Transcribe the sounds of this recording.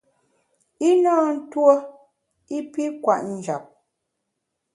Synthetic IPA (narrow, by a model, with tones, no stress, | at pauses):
i˦nɔː˦n̩˦two˦ | i˦pi˦kwa˨ʔn̩˦˨d͡ʒa˨p̚